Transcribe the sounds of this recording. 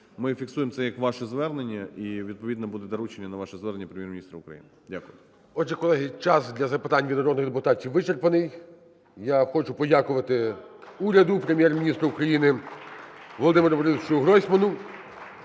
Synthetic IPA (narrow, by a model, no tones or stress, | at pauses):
mɪfʲiksujemt̪sɛjɐkʋɑʃɛzʋɛrnenʲːɐiʋʲid̪̚pɔʋʲid̪nɐbud̪ɛd̪ɐɾut͡ʃenʲːɐnɐʋɑʃɛzʋɛɾnenʲːɐpɾʲemʲjɛrmʲnʲist̪ɾɐʊkɾɐ̰jḭnɪdʲakʊjʊ | ɔʒɛkɔlˠɛɦɪt͡ʃɑsd̪ʲlʲɐzɐpɪt̪ɑnʲʋʲinɔɾɔd̪nɪɣd̪epʊt̪ɑtʲiwʋːɪt͡ʃerpɐnɪj | jaxɔt͡ʃʊpɔdʲakʊʋɐt̪ɪuɾʲɐd̪ʊpɾemʲjɛrmʲinʲist̪ɾʊukɾɐjinɪ | ʋɔlˠɔd̪ɪmeɾʊbɔɾɪt͡ʃʊʊɦɾɔsʲmɐnʊ